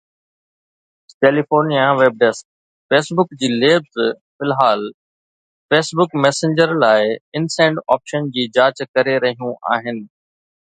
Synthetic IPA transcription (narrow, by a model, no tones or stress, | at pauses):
keːlifoːɾnijaʋeːb̚ɖesk̚ | feːsbʊkd͡ʑiːleːbz | fɪlɦaːl | feːsbʊkmɛːsẽɲd͡ʑəɾlaːɪɪnsɛ̃ːɳɖaːpʃənd͡ʑiːd͡ʑaːt͡ɕkɐɾeɾɐɦijũʔa̰ːɦɪnɪ̆